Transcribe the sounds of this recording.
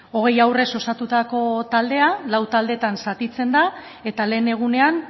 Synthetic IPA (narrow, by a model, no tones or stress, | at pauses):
o̞ɣ̞e̞jawre̞so̞sat̪ut̪ako̞t̪ald̪e̞alawt̪ald̪e̞t̪ansat̪it͡se̞nd̪a | e̞t̪ale̞ːne̞ɣ̞une̞an